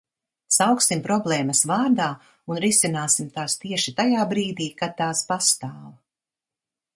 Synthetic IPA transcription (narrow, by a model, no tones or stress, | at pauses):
sawksimpɾɔblˠɛːmɐsvaːɾd̪aː | unɾisinaːsimt̪aːst̪iɛʃit̪ajaːbɾiːd̪iːkad̪̚t̪ːaːspast̪aːv